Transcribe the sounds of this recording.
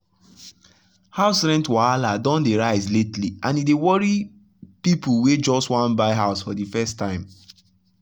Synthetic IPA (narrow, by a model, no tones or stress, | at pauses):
haʊsɹɛ̃ntwɔaladɔ̃ndeɹaɪzletliʔãnidewɔɹi | pipuwed͡ʒɔstwãnbaɪɦaʊsfɔdifɛstãɪ̃m